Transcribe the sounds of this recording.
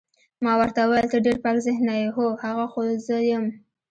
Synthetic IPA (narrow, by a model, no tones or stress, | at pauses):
mɑwəɾt̪awajlt̪əɖeɾpɑkzɪhnajɦohaɣaxozəjəm